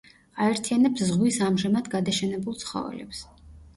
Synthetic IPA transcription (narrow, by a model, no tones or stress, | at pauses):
aɛɾt̪ʰianɛpszʁwisamʒamad̪ɡad̪aʃɛnɛbulˠt̪sʰχɔ̰vɛ̰lɛ̰ps